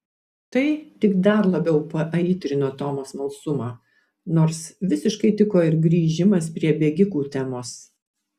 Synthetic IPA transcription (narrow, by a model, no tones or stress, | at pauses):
t̪ɐɪt̪ʲɪkd̪ɐɾlˠɐbʲɛʊpɐʔɐiːt̪ʲɾʲɪnoːt̪oːmoːsmɐlˠsʊmɑː | noːɾsʋʲɪsʲɪʃkɐɪt̪ʲɪkoːɪɾɡɾʲiːʒʲɪmɐspʲɾʲiɛbʲeːɡʲɪkuːt̪ʲæmoːs